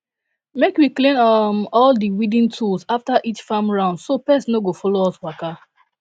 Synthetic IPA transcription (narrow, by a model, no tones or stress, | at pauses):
mekwiklẽnɔmɔldiwidĩntʰulsaftaʔit͡ʃfãmɹãʊ̃ndsopɛsnoɡofɔloɔswaka